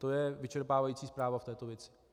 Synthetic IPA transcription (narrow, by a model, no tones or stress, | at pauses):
t̪o̞jɛvɪt͡ʃɛɾpaːvajiːt͡siːspɾaːvaft̪ɛːt̪o̞vjɛt͡sɪ̥